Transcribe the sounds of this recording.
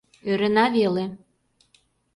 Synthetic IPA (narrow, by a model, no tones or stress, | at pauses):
øɾə̆nɑβele